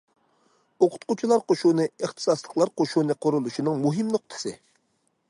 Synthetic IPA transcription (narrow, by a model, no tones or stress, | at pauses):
oqʰʊ̥t̪qut͡ʃʰilˠɑɾqoʃunɨeχt̪ʰɨ̥sɑslˠəqlˠɑɾqoʃunɨqʰʊɾulˠuʃinɨŋmuɦɪmnoqt̪ʰɨ̥sɨ